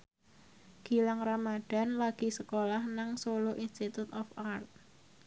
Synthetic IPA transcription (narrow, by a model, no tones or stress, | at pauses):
ɡ̥i̤laŋramaɖ̥a̤nlaɡ̥i̤səkolahnaŋsoloʔinst̪it̪ut̪ɔfart̪̚